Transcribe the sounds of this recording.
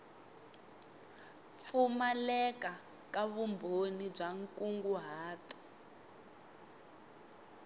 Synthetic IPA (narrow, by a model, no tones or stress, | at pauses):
p̪fʰumalɛka | kaβumbʱonib͡ʐaŋkʼuŋɡuɦaːtɔ̥